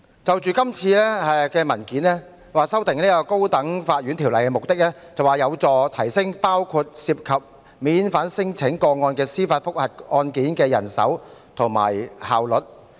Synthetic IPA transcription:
t͡sɐ˨wt͡ʃyː˨kɐ˥mt͡sʰiː˧lɛː˥ɛ˧kɛː˧mɐ˨˩nkiː˨˥nɛː˥ | waː˨sɐ˥wt̪ɪ˨ŋniː˥kɔː˧ko˥wt̪ɐ˨˥ŋfaː˧t̚ɥyː˨˥nt̪ʰi˨˩wlɐ˨˩jkɛː˧mʊ˨k̚t̪ɪ˥k̚lɛː˥ | t͡sɐ˨waː˨jɐ˨˧wt͡sɔː˨˧t̪ʰɐ˨˩jsɪ˥ŋpaː˥wkʰu˧t̚siː˧p̚kʰɐ˨p̚ | miː˨˥nfaː˨˥nsɪ˥ŋt͡sʰɪ˨˥ŋkɔː˧ŋɔː˧nkɛː˧siː˥faː˧t̚fʊ˥k̚hɐ˨˩t̚ɔː˧nkiː˨˥nkɛː˧jɐ̰˨˩nsɐ̰˨˥wt̪ʰʊ˨˩ŋma̰ː˨˩jhaː˨wlɵ˨t̚

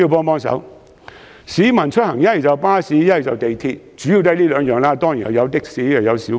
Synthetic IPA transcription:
i˧wpɔː˥ŋpɔː˥ŋsɐ̰˨˥w | siː˨˥mɐ˨˩nt͡ʃʰɵ˥t̚hɐ˨˩ŋjɐ˥t̚hɐ˨jt͡sɐ˨wpaː˥siː˨˥jɐ˥hɐ˨˩jt͡sɐ˨wt̪e˨˩jt̪ʰiː˧t̚t͡ʃyː˨˥ji˧wt̪ɐ˥jliː˥lœː˨˧ŋjœː˨˧ŋlaː˥t̪ɔː˥ŋji˨nhɐ˨˩wjɐ˨˧wt̪ɪ˥k̚siː˨˥jɐ˨˩jɐ˨˧wsi˨˥

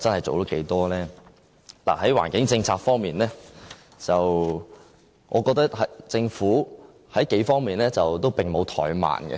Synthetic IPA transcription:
t͡sɐ˥nhɐ˨jt͡so̰˨wt̪o˥wke˨˥jt̪ɔː˥lɛː˥ | la̰ː˨˩hɐ˨˥jwaː˨˩nkɪ˨˥ŋt͡sɪ˧ŋt͡sʰaː˧k̚fɔː˥ŋmiː˨˩nlɛː˥ | t͡sɐ˨w | ŋʔɔ̰ː˨˧kɔː˧k̚t̪ɐ˥k̚hɐ˨˥jt͡sɪ˧ŋfuː˨˥ | hɐ˨˥jke˨˥jfɔː˥ŋmiː˨˩nlɛː˥t͡sɐ˨wt̪o˥wpɪ˨ŋmo˨˧wt̪ʰɔ̰ː˨˩jma̰ː˨˩nɡɛ̰˧

